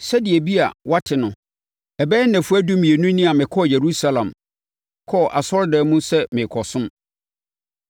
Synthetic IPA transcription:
sɛ˦dɪ˨ɛ˨bi˦a̰˨wa˦tʰɪ˨nʊ̃˨ | ɛ˨bɛː˦næ̃˨fu˦æ˦du˦mĩ˨e˨nũ˦nĩ˦a˨mɪ̃˨kʰɔ˦˨je˨ɾu˦sa˦lã˨m | kʰɔ˦˨ʔa˨sɔ˦ɾdɛː˨˦mũ˦sɛ˦mɪ̃˨kʰɔ˨sʊ̃˦m

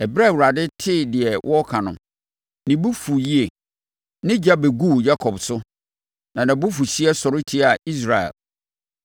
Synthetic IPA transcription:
ɛ˨bɾa˦˨wu˨ɾa˨dɪ˦tʰɪ˦˨dɪ˨ɛ˨wʔɔ˦kʰã˨nʊ̰̃˨ | nɪ̃˨bu˦fu˨ji˦e˨ | nɪ̃˦d͡ʑa˦be˨ɡuː˦˨ja˦kʰɔ˨bsʊ˦ | nã˨nã˨bʊ˦fu˨ɕi˦ɛ˦sɔ˨ɾɪ˦tʰi˦a˨i˦s̬ɾa˨ɛ̰˨l

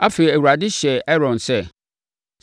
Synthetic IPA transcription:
a˦fe˨i˨æ˨wu˨ɾa˨dɪ˦ɕɛ˨ɛ˦ɾɔ̃˨nsɛ˦˨

